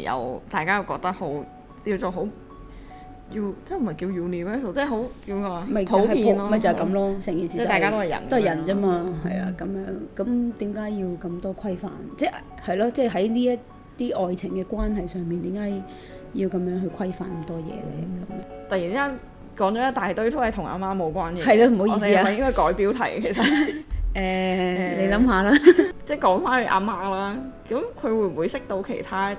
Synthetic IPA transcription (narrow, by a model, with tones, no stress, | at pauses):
jɐ̰˨wt̪aː˨jkaː˥jɐ˨˧wkɔː˧k̚t̪ɐ˥k̚ho˨˥w | i˧wt͡sɔː˨˧ɦo˨˥w | ji˧wt͡sɛ˥˩m̩˨˩ɐ˨jkiː˧wjuː˨˩niː˨fɛː˥s̬o˨˩wt͡sɛː˥ɦo˨˥wki˧wmkɔː˧a˧mɐ˨jpʰo˨˦wiːo˨nlːmɐ˨˩jt͡sɐ˨ɐ˨jkɐ˨˧˥mlɔː˥sɛː˨˩ŋkiː˨˩si˨˥˩ta˨kaː˥t̪o˥hɐ˨jɐ̰˨˩nt̪o˥hɐ˨jɐ˨˩nt͡sɐ˥maː˧ɦɐ˨jla̰ː˨˩kɐ˨˧˥mjœː˨˥ŋkɐ˨˥mt̪iː˨˥mkaː˨˥jjiː˧wkɐ˧mt̪ɔː˥kʰɐ˥jfa̰ː˨nt͡sɛː˥˩ʔ | hɐ˨˩jlɔː˥t͡sɛː˥˩ɦɐ˨˥jliː˥jɐ˥ | t̪iː˥ʔɔː˨jt͡sʰɪ˨˩ŋkɛː˧kwaː˥nɦɐ˨jsœː˨ŋpiː˨nt̪iː˨˥mkaː˨˥j | jiː˧wkɐ˨˥mjœː˨˥ŋɦɵ˧ɥkʰɐ˥jfa̰ː˧nkɐ˨˧mt̪ɔː˥jɛ̰ː˧lɛ̰˧kɐ˨˩mjt̪ɐ˨jiː˨˩nkaː˥n | kɔː˨˥ŋt͡ʃɔː˨˥jɐ˥t̪aː˨jt̪o˥ɥt̪o˥hɐ˨jt̪ʰʊ˨˩ŋʔa̰ː˧maː˥mo˨˧wkʷaː˥njiː˨hɐ˨jlaː˧m̩˨˩ho˨˥wjiː˨˧esi˥˨aː˧˨jɪ˥ŋkɔː˥jkɔː˨˥jpiː˨˥wt̪ʰɐ˨˩jkʰe˨˩sɐ˨ʔɛː˨ne˧jlɐ˨˧˥mɦaː˨˧laː˥t͡sɛː˥˩kɔː˨˥ŋfaː˥nhɵ˨˧ʔa̰ː˧maː˥laː˥kɐ˨˦mkʰɵ˨˧ɥwuː˨˧˩m̩˨wuː˨˧jsɪ˥k̚t̪o˧wkʰe˨˩jt̪ʰaː˥